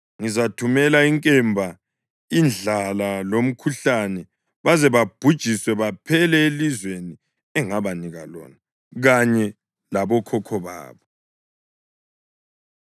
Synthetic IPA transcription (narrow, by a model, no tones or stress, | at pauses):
ŋizatʰumɛlaiŋkʼɛmbʱa | ind͡ɮʱalalom̩kʰuɬanɛ | βazɛβab̥ʱud̥ʒ̥ʱiswɛβapʰɛlɛelizweni | ɛŋaβaniɣalɔ̰ːna | ɣaɲɛ | laβɔkʰɔkʰɔβa̰ːβɔ